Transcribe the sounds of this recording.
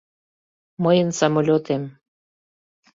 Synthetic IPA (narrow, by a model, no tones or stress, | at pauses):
məjənsɑmolʲot̪em